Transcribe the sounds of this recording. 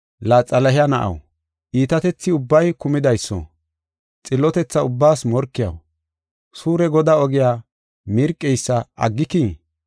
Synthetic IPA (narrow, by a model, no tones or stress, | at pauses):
laːt͡sʼɐlɐhɪjɐnɐʔɐ̰w | ʔiːt̪ɐt̪ɛt͡sːɪʊbːɐjkʊmɪd̪ɐjsːɔ̰ | t͡sʼɪlːɔt̪ɛt͡sːɐʊbːaːsmɔɾkːɪjɐ̰w | suːɾɛɡɔd̪aːɔɡɪjaː | mɪɾkʼːɛjsːɐʔɐ̰ɡːɪki